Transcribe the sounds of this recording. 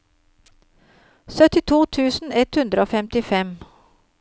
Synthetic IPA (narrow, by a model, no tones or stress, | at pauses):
sœt̪ɪt̪ʰuːt̪ʰʉːsn̩ɛt̪hʉnd̪ɾəoːfɛmt̪ɪfɛm